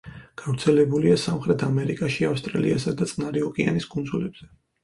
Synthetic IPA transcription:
ɡ̥avɾt̪sʰɛlɛbuliasamχɾɛt̪ʰamɛɾikʼaʃiafst̪ʼɾa̰lḭasad̪at̪sʼnaɾiɔkʼia̰nisɡʼund̪zulɛbz̥ɛ

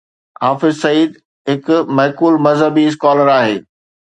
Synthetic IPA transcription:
ɦaːfɪzsɐiːd̪ | ɦɪkʊmɐɦkuːlmɐzɦəbis̬kaːləɾaːɦeː

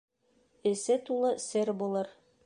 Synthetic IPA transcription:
ɘ̆sɘt̪ulˠɤsɘɾbulˠɤɾ

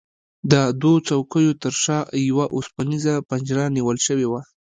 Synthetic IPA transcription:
d̪əd̪wot͡sawkəjot̪əɾʃɑjawaʔospanizapand͡ʒɾaniwəlʃəwewa

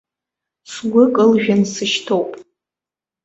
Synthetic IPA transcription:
sɡʷʊkʼɨlʒᶣansɨʃtʰowpʼ

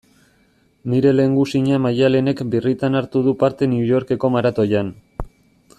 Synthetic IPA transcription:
niɾe̞le̞ŋɡusiɲamajale̞ne̞kbirit̪anaɾt̪uðupaɾt̪e̞niujo̞ɾke̞ko̞maɾat̪o̞jan

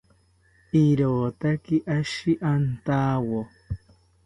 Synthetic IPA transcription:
iɾoːt̪akɪʔaʃɪʔant̪aːwo

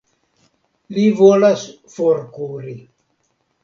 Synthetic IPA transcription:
livolas | foɾkuɾi

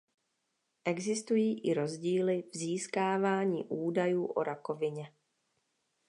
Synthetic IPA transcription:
ʔɛɡzɪst̪ujiːʔɪɾo̞zɟiːlɪvziːskaːvaːɲḭːʔuːdajuːʔo̞̰ɾako̞vɪɲɛ

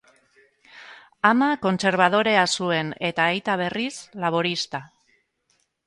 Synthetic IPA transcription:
amako̞nse̞ɾβ̞aðo̞ɾe̞asue̞ne̞t̪aːjt̪aβ̞e̞rislaβ̞oɾist̪a

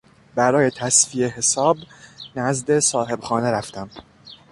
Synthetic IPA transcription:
bæɾɒːje̞t̪ʰæsfie̞ɦe̞sɒːbnæzd̪e̞sɒːɦe̞bxɒːne̞ɾæft̪æm

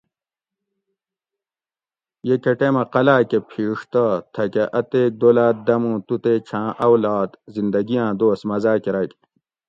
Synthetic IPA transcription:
jekɐʈemɐqɐlaːkepʰiːʂt̪ɐt̪ʰɐkeʔɐt̪eːk̚d̪olaːt̪̚d̪ɐmũːt̪ut̪eːt͡ɕʰãːʔɐwlaːd̪zind̪ɐɡijãːd̪oːsmɐzaːkeɾɐk

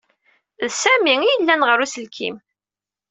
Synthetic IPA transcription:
ðsæmiijəlːænʁəɾusəlkʰḭm

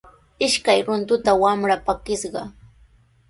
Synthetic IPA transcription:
ɪʃkajɾʊnt̪ʊt̪awamɾapakɪsɢɑ

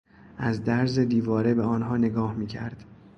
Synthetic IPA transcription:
æzd̪æɾze̞d̪iːvɒːɾe̞be̞ɒːnɦɒːne̞ɡɒːhmiːcʰæ̰ɾd̪̥

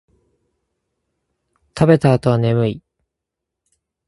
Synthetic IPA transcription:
t̪ʰabe̞t̪aːt̪o̞βane̞mɯ̟i

